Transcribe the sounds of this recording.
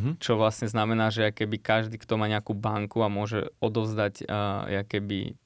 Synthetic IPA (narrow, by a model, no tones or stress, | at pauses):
ɦt͡ʃɔʋlasɲɛznamɛnaːʒɛakɛbikaʒd̪iːkt̪ɔmaːɲɛakuːbaŋkuamʊɔʒɛ̰ɔd̪ɔʊzd̪aɟjakɛbḭ